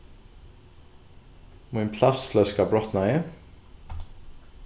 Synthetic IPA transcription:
mʊnpʰlast̪flœskabɹɔt̪naɪ

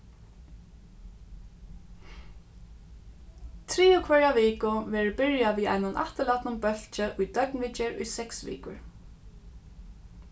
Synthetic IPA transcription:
t̪ʰɾiːʊkʰvɛɹaʋiːkʊʋɛːɹʊbɪɹjaʋiːa̰jnʊnʔa̰ht̪əlat̪nʊmbœl̥t͡ʃɪʔʊjd̪œknʋɪt͡ʃɛɹʊ̰jsɛksʋḭːkʊɹ

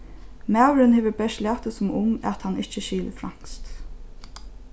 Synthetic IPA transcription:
mawɾɪnheːʋəbɛʃlæːht̪əsʊmʊmæt̪hanɪht͡ʃəʃiːlə̰fɾa̰ŋ̥kst̪

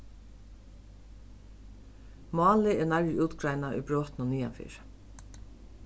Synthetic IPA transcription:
mɑːlɪɛnaɹjuːt̪ɡɾajnaʊ̰jbɾɔːt̪ɪnʊniːa̰nfɪ̰ːɹ

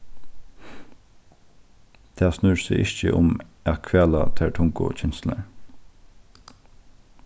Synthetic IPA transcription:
t̪ʰæːsnʉɹseʔɪçt͡ʃə̰ʔʊmækʰʋæːlat̪ʰæɹʈʰʊŋkʊ̰t͡ɕʰɛnst̪l̩əɹ

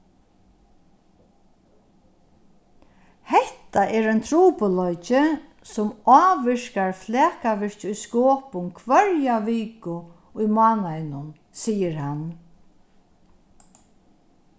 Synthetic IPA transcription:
hɛt̪aʔɛɹɛjnt̪ʰɾuːpʊlɔjt͡ʃɪ | sʊmɑːʋɪɹ̥kaɹflɛːkaʋɪɹ̥t͡ʃʊjskoːpʊnkʰʋœɹjaʋiːkʊ | ʊjmɑːnajnʊn | siːəɾhan

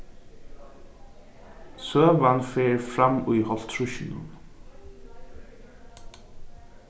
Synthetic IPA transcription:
sœːvanfɛːɾfɾamːujɦɔl̥t̪ʰɾʊʃɪnʊ̰n

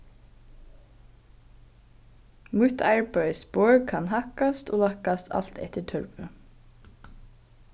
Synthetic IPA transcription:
mʉt̪ʰɑɹbœʏsboːɹkʰɑnhɑkɑst̪ʔoːlɑkɑst̪ʰɑ̰l̥t̪ʰɛ̰t̪əʈʰœɹʋə

